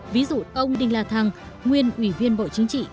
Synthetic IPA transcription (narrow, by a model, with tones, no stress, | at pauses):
vi˨˦zṵ˧˨ʔə˧wŋ͡mɗï˨˩ŋ̟laː˨˩t̪ʰa˨˩ŋ | ŋwi˧ənʔwi˧˩vi˧ənɓo̰˧˨t͡ɕï˨˦ŋ̟t͡ɕḭ˧˨